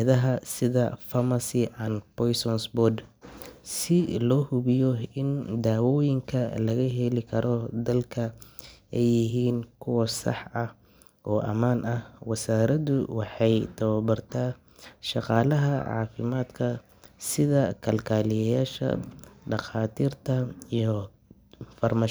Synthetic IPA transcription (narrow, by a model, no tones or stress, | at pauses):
ðɐɦɐsɪðɐfɐmɐsɪʔɐnpɔjsɔnsbɔd̪ | sɪlɔːhʊβɪjɔɪnd̪aːwɔːjɪŋkʰɐlɐɣɐɦɛlɪkʰɐɾɔd̪ɐlkʰɐɛjːɪɦiːnkʰʊwɐsɑ̰ħɐh | ʔɔːʔɐ̰maːnʔɐhwɐsaːɾɐðʊwɑħɑjt̪ʰɐwɐbɐrt̪ʰaː | ʃɑqɑːlɐɦɐʕɑ̰ːfɪmaːd̪kʰɐ | sɪðɐkʰɐlkʰaːlɪjɐjaːʃɐ̰ɖɑχaːt̪ʰiːrt̪ʰɐijɔ | fɐrmaː